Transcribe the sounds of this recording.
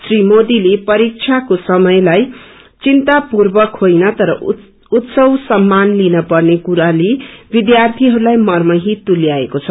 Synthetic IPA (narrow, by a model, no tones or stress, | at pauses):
srimod̪ilepʌɾik̚t͡sʰakosʌmʌjlaj | t͡sint̪apurbʌkʰojnʌt̪ʌɾʌ | ut̪sʌwsʌmːanlinʌpʌrnekuɾalebid̪jart̪ʰiɦʌɾulajmʌrmʌɦit̪uljaekot͡sʰʌ